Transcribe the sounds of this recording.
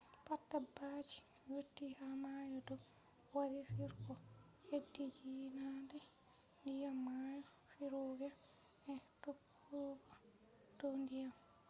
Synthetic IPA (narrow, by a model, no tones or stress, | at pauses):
patːabad͡ʒi̥ | jotːihamajɔdɔ | wadisiɾkɔ | hedːid͡ʒinadɛ | ndijamːajɔ | fiɾoɡa | ɛtokː | uɡa | tondijam